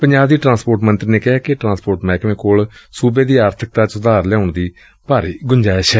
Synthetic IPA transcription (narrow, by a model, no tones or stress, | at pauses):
pəɲd͡ʒaːbd̪iːʈɾãːspoːʈmənt̪ɾiːneːkɪɦaːkɪʈɾãːspoːɾʈmɛːkmẽːkoːlsuːbeːd̪iːaːɾt̪ʰɪk̚t̪aːt͡ʃʊd̪aːɾlɛaːʊɳd̪iː | b̥aːɾeːɡʊɲd͡ʒaːeʃɛː